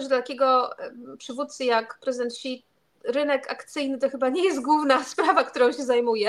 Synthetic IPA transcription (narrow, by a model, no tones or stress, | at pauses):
ʐɛd̪lat̪akʲɛɡɔpʂɘvut̪t̪sɨjakpɾɛzɘd̪ɛnt̪ɕit̪ | ɾɘnɛkakt̪sɘjnɘt̪ɔxɘbaɲɛjɛst̪̚ɡwuvnaspɾavakt̪uɾɔ̃w̃ɕɛzajmujɛ